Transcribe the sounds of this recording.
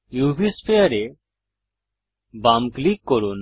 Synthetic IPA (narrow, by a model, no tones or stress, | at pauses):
juːbispʰejaɾe | bamklikːɔɾun